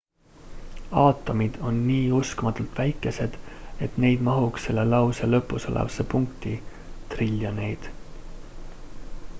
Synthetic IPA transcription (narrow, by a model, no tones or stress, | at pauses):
ɑːt̪ːˑo̞mid̪̥o̞nːiːuskmɑt̪ːˑult̪ˑvæjkːˑe̞se̞d̪̥e̞t̪ne̞jd̪̥mɑɦukse̞lːe̞lɑwselɤ̞pːˑuso̞lḛvɑsepuŋkt̪i | t̪rilʲːjɑne̞jd̪̥